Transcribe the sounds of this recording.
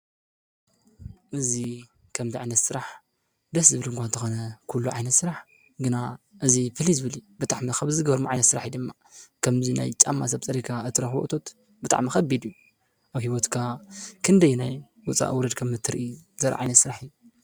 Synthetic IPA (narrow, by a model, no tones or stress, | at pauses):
ʔɨzi | kʰɐmziʕajnɐt̪sɨɾaħ | d̪ɐs̬zɨβɨlɨŋkʷant̪ʰɐxonɐkʰulːuʕa̰jnɐt̪sɨɾaħ | ɡɨnaʔɨzifɨlizɨβɨlibɨt̪ʼaʕmixɐβzɨɡbɐɾmoʕa̰jnɐt̪sɨɾa̰ħid̪ɨmːa | kʰɐmzina̰jt͡ʃʼa̰mːa̰sɐβt͡sʼɐɾikʰaɨt̪ʰːɨɾɐxboʔt̪ʰo̞t̪ | bɨt̪ʼa̰ʕmixɐbid̪ijːu | ʔaβhiwot̪kʰakʰɨnd̪ɐjːunaj | wʊt͡sʼa̰ʔɨwɾɐd̪kʰɐmːɨt̪ʰːɨɾʔizɐɾa̰ʕa̰jnɐt̪sɨɾaħɨjːu